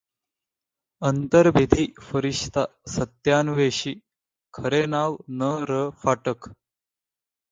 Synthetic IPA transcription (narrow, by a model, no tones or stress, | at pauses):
ənt̪əɾbʱed̪ʱiːfəɾiʂt̪asət̪jaːnʋeɕiː | kʰəɾenaʋnəɾəfaʈək